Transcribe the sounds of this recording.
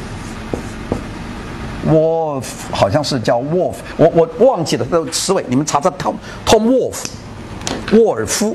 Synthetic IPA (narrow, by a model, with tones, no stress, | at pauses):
wɔ˨˩˦ | xɑ˨˩ʊɕjɑ˥˧ŋʂɻ̩˥˧t͡ɕjɑ˥˧ʊwɔ˥˩fwʔɔ˨˩wɔ˨˩wɑ˥˧ŋt͡ɕʰi˥˩lə˩˥˩t͡sʰɻ̩˧˥we˧˦ɪni˨˩mə˦nt͡sʰa˧˥t͡sə˥˧˩t̪ʰ | t̪ʰʊ˥ŋwɔ˥˩ | wɔ˥˩ə˞˨˩fu˥